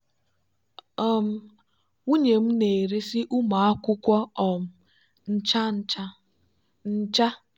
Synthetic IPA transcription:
ɔ˦m̩˦ | u˦ɲe˨m̩˦ne˨ɾe˦sɪ˦ʔu˦ma˨a˦kʷʊ˦kʷɔ˦ɔ˨m˨ | n̩˦t͡ʃa˦ | n̩˦t͡ʃa˦

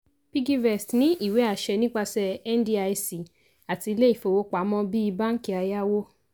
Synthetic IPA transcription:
pi˦ɡi˦vɛ˨stnĩ˦ʔi˦˨we˨˦a˦˧˨ʃɛ˧nĩ˦k͡pa˧sɛ˧ɛ˦n˦di˦a˧si˨ | a˨ti˧le˦i˦˨fo˧wo˦k͡pa˨˦mɔ̃˧bi˦i˧ba˦n̩˦ki˦a˧ja˦wo˦

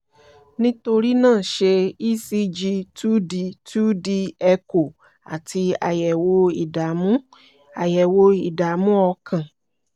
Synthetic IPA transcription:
nĩ˦to˧ɾi˦nãː˦˨ʃe˧i˦si˧d͡ʒi˧tu˦di˧tu˦di˧ɛ˧ko˨ | a̰˨ti˧a˨jɛ˨wo˧˦i˨a˨mũ˦ | a˨jɛ˨wo˧i˨da˨mũ˦ɔ˧kʰã˨

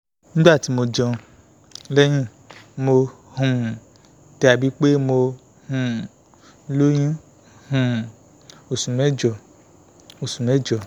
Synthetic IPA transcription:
nĩ˦ɡ͡ba˦˨ti˨˦mo˧d͡ʒɔ̃˧ | lɛ˦j̃ĩ˦˨ | mo˧ | hũ˨ | tɛ˧˦a˧˨bi˨˦k͡pe˦mo˧ | hũ˨˧ | lo˦j̃ĩ˦ | hũ˨ | o˨sũ˨mɛ˦d͡ʒɔ˨ | o˨sũ˨mɛ˦d͡ʒɔ˨

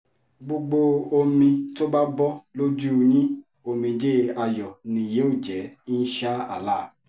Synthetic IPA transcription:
ɡ͡bo˧ɡ͡bo˧o˧mĩ˧to˦ba˦bɔ˦lo˦d͡ʒu˦˧ɲĩ˦ | o˧mĩ˧d͡ʒe˦a˧jɔ˨nĩ˧je˨˦o˦˨d͡ʒɛ˨˦n̩˦ʃa˦a˦˨la˦˨

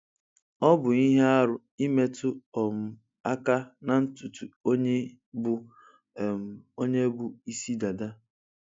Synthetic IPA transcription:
ɔ˦bʊ˨i˦ɦe˦a˦ɾʊ˦ | i˦me˦tʊ˦ɔ˨mʊ˨ | a˦ka˦na˨n̩˦tʊ˨tu˨o˦ɲe˦ | bʊ˦˨ | m˨o˦ɲe˦bʊ˨i˦si˦da˨da˦

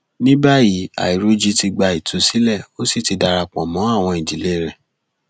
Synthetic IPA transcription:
nĩ˦ba˦ji˨˦a̰˨i˨ɾo˧˦d͡ʒi˧ti˧ɡ͡ba˧i˨tʰu˨˦si˨˦lɛ˦˨o˦si˦˨ti˧da˧ɾa˧k͡pɔ̃˨mɔ̃˨˦a˦˨w̃ɔ̃˧ĩ˨d͡ʒi˨le˦˨ɾɛ˨

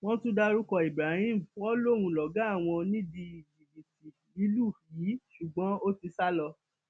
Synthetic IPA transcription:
w̃ɔ̃˦tũ˦da˧ɾu˦kɔ˧i˨bɾa˨˦hĩ˦˨m̩˨w̃ɔ̃˦lo˦˨wũ˧lɔ˨ɡa˨˦a˦˨w̃ɔ̃˧nĩ˦di˧˨di˨bi˨ti˨ | i˨˦lu˦˨jiː˨˦ʃu˨ɡ͡bɔ̃˨˦o˦ti˧sa˦lɔ˧

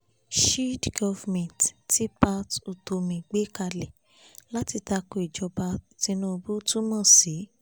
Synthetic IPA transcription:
ʃi˦dɡɔ˧vmɛ̃˨tti˦pa˧˦tu˨to˧mĩ˨ɡ͡be˦ka˧le˨ | la˦ti˧ta˧ko˧˨i˨d͡ʒɔ˧ba˧ti˧˦nũ˦o˧bu˦tũ˦mã˦˨si˨˦

